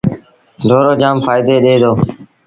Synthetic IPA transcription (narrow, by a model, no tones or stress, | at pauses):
ɖ̪ʱoːɾoːd͡ʒaːmfaːɪd̪eːɗeːd̪oː